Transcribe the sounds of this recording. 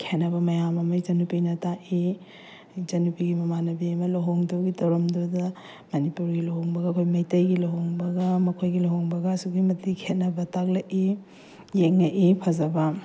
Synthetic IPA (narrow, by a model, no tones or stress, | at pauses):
kʰenɐbɐmɐjamɐmɐjd͡ʒɐnupinɐtaʔi | d͡ʒɐnupiɡimɐmanɐbiɐmɐlɐɦoŋdowɡitʰɐwɾɐmdodɐ | mɐnipuɾɡilɐɦoŋbɐɡɐɐkʰojmɐjtɐjɡilɐɦoŋbɐɡɐmɐkʰojɡilɐɦoŋbɐɡɐɐsuɡimɐtikʰenɐbɐtak̚lɐʔi | jeŋːɐʔipʰɐzɐbɐ